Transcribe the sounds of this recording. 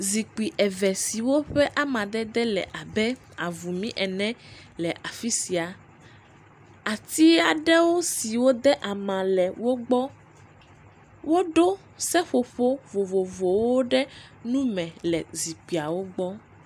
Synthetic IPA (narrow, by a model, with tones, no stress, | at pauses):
zi˨k͡pi˨ʔɛ˨vɛ˨si˨wo˦ɸɛ˦ʔa˦mã˨d̪ɛ˦d̪ɛ˦lɛ̰˨ʔa˨bɛ˦ | a˨vu˨mĩ˦ʔɛ˨nɛ̃˦lɛ˨ʔa˨fi˦si˨a˨ | a˨t̪i˦a˨ɖɛ˦wo˦si˨wo˦d̪ɛ˦ʔa˨mã˨lɛ˨wo˦ɡ͡bɔ˦ | wo˦ɖo˦ | sɛ˦ɸo˨ɸo˦vo˨vo˨vo˨wo˦ɖɛ˦nũ˦mɛ̃˨lɛ˨zi˨k͡pi˨a˨wo˦ɡ͡bɔ˦